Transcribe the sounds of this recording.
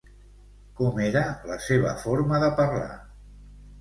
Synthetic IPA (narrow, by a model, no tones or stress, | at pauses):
kɔmeɾələseβ̞ə̰foɾməðəpərla̰